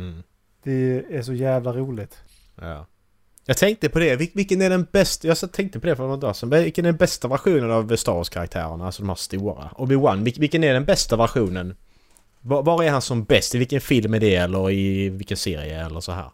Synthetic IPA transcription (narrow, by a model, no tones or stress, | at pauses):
m̩ː | d̪̥ɛæʂɔjæːvlaɾuːlɪt̪ | jɑ̰ː | jɑːɡt̪ʰɛŋk̚t̪əpʰɔd̪ɛvɪvɪkːənæɖɛnbɛst̪jɑːsɛt̪ʰɛŋk̚t̪əpʰɔd̪ɛfɔɾɔnd̪ɑsənɛvɪkːənæɖɛnbɛst̪avæɾɧuːnənavst̪ɑːɔskʰaɾakt̪ʰæ̰ːɾəɳaalsɔd̪ɔmhæ̰ːɾst̪uːɾa̰ʔɔbɪwanːvɪvɪkːənæɖɛnbɛst̪avæɾɧuːnən | vɑvɑɾæɾhansɔmbɛst̪ɪvɪlkːənfɪlmæɖɛɛlːəɾɪvɪlkənsḛːɾɪ̰ə̰ɛ̰lːəɾsɔɦæ̰ːɾ